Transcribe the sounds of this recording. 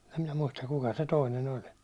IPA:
em minæ muistɑk kukɑ se toinen olʲ

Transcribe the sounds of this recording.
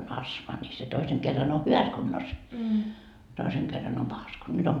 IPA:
on ɑsmɑ nʲi se toiseŋ kerːɑn o hyʋæs kunːos toiseŋ kerːɑn om pɑhɑs ku nyt om

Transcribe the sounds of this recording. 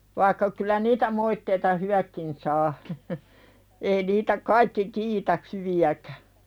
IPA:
ʋɑikːɑ kylˑæ niːtæ moitːeitɑ hywækːin sɑː ei niːtæ kɑikːi kiːtæ hyʋiækæ̥

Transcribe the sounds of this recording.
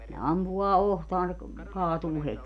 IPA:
ne ɑmpuɑː ohtɑːn se k kɑːtuː hetʲi

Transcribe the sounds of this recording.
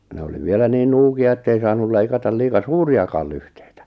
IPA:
ne oli ʋielæ niːn nuːkiɑ etːei sɑːnul leikɑtɑ liːkɑ suːriɑkɑˑl lyhte̥i̥tæ̥

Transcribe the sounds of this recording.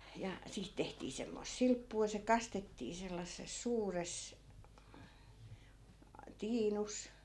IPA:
jɑ siːt tehtiː semːoĭs silpːuː jɑ se kɑstetːiː selːɑsːes suːres tiːnus

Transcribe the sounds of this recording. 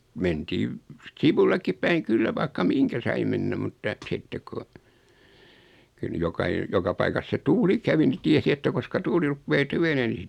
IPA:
mentiːʋ siʋulːekːip pæiŋ kylːæ ʋɑikːɑ miŋkæ sɑi menːæ mutːɑ sitːek̆ ku kyl ny jokɑi jokɑ pɑikɑs se tuːli kæʋi ni tiesi etːæ koskɑ tuːli rupːeː tyʋeneː ni

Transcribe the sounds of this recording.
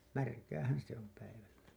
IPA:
mærkæːhæn se om pæiʋælːæ

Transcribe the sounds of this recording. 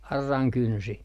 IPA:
ɑrːɑŋ kynsi

